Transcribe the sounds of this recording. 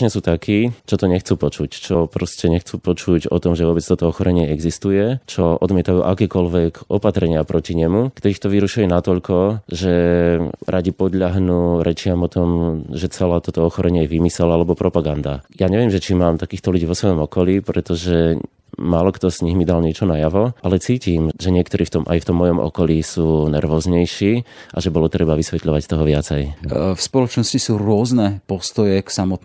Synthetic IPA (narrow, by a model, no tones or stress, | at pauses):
ɲɛsuːt̪akʰiːt͡ʃɔt̪ɔɲɛxt͡suːpɔt͡ʃuct͡ʃɔpɾɔscɛɲɛxt͡suːpɔt͡ʃucɔ̰t̪ɔmʒɛʋɔbɛt͡st̪ɔt̪ɔɔxɔɾɛɲɪɛɛɡzist̪ujɛt͡ʃɔʔɔd̪mɪɛt̪ajuːʔakɛːkɔʎʋɛkɔpat̪ɾɛɲɪapɾɔciɲɛmukt̪ɔɾiːxt̪ɔʋiɾuʃujɛnat̪ɔʎkɔʒɛ | ɾʔaɟipɔd̪ʎaɦnuɾɛt͡ʃɪamɔt̪ɔmʒɛt͡sɛlaːt̪ɔt̪ɔɔxɔɾɛɲɪɛjɛʋimisɛlalɛbɔpɾʔɔpaɡand̪a̰jaːɲɛʋɪɛmʒɛt͡ʃimaːmt̪akiːxt̪ɔluɟiːʋɔsʋɔjɔmɔkɔliːpɾɛt̪ɔʒɛ | maːlɔkt̪ɔz̥ɲiɦmid̪alɲɪɛt͡ʃɔnajaʋɔʔalɛt͡siːcimʒɛɲɪɛkt̪ɔɾiːft̪ɔmʔa̰jft̪ɔmːɔjɔmʔɔ̰kɔliːsuːnɛɾʋɔːzɲɛjʃiːʔa̰ʒɛbɔlɔt̪ɾɛbaʋisʋɛt̪ʎɔʋact̪ɔɦɔʋɪat͡sɛjfspɔlɔt͡ʃnɔscisuːɾʊɔznɛpɔst̪ɔjɛksamɔt̪̚